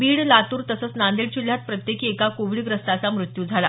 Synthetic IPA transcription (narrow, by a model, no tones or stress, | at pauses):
biːɽlat̪uːɾt̪əsəːt͡snand̪iɽt͡ɕulːjat̪̚pɾət̪jekiːekakoʋiɭɡɾəst̪at͡samɾut̪juːd͡zʱala̰